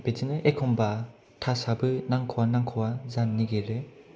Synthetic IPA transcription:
bed͡ʒinɯʔekʰɔmba | tʰasabɯnaŋkʰɔwanaŋkʰɯwazanːiɡeɾɯ

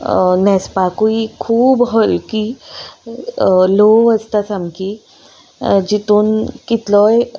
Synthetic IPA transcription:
nɛ̃spakuikʰuːbɦəlki | loəst̪asamki | d͡ʑit̪uːnkit̪lɔj

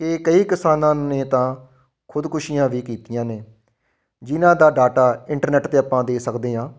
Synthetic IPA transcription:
kekəiːkɪsaːnãːneːt̪ãː | kʰʊd̪kʰʊʃiːjãːʋiːkiːt̪ijãːneː | d͡ʒɪnãːd̪aːɖaːʈaːɪɳʈəɾnɛːʈt̪eːəpːãːd̪eːsəkd̪eːɦãː

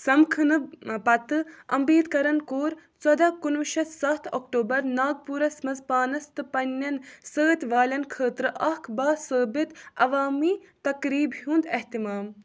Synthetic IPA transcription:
sɐmkʰɨnɨpɐt̪ɨɐ̰mbiːd̪kɐɾɐnkoːɾt͡sɐd̪aːkunʋʃɐsɐt̪ʰɐkʈoːbɐɾnaːɡ̚puːɾɐsmɐzpaːnɐst̪ɨpɐnʲːɐnsəːt̪ʲʋaːlʲɐnkʰəːt̪ɾɨʔɐkʰbaːsəːbit̪ɐʋaːmiː | t̪ɐkɾiːbɦuːnd̪eɦt̪imaːm

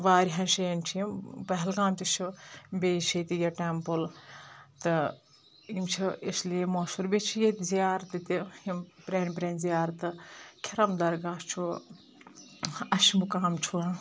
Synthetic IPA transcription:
ʋaːɾʲiɦɐnʃɐent͡ʃʰijimpɐɦɛlɡaːmt̪ʲit͡ʃʰibʲeːʃit̪ijɐʈempɨl | t̪ɨ | imt͡ʃʰiesliemoːsuɾbʲet͡ʃʰijet̪ʲzijaːɾt̪ɨt̪iimpɾeːnpɾeːnzijaːɾt̪ɨkʰiɾɐmd̪ɐɾɡaːst͡ʃʰu | ɐʃimukaːmt͡ʃʰuɐ

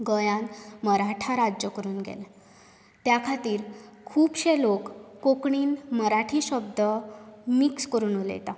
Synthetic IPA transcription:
ɡəjãnməɾaʈʰaɾad͡ʑjəkəɾuːnɡḛl | t̪jakʰat̪iːɾkʰuːbɕelokːokɳiːnməɾaʈʰiːɕəb̚d̪əmikskəɾuːnolḛt̪a

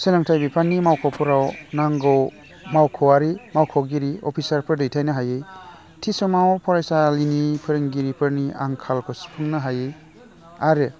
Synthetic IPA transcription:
selaŋtʰajbipʰanːimawkʰɔpʰuɾawnaŋɡɔw | mawkʰɔwaɾimawkʰɔɡiɾiɔpʰisaɾpʰɯɾdɯjtʰajnɯɦajɯj | tʰisɔmawpʰɔɾajsalinipʰɯɾɯŋɡiɾipʰɯɾnia̰ŋkʰalkʰɔspʰɯŋnɯɦajɯj | aɾe

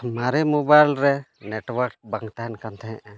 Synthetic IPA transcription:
maɾimobajlɾɛnɛʈwaɾk̚baŋt̪aɦɛnkant̪ʰɛɦɛ̃ʔɛ

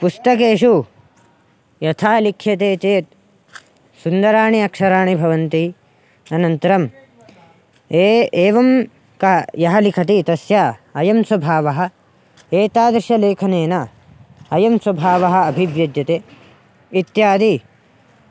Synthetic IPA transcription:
pust̪ɐk̬eːʂu | jɐt̪ʰaːlikʰːjɐt̪eːt͡ʃeːt̪̚ | sund̪ɐɾaːɳiɐkʂɐɾaːɳibʱɐʋɐnt̪i | ɐnɐnt̪ɐɾɐm | eeːʋɐm | kɐjɐɦɐlikʰɐt̪it̪ɐsjaːɐjɐmswɐbʱaːʋɐɦɐ̆ | eːt̪aːd̪ɾʃɐleːkʰɐneːna | ɐjɐmswɐbʱaːʋɐɦɐ̆ːbʱiʋjɐd̪jɐt̪eː | it̪jaːd̪i

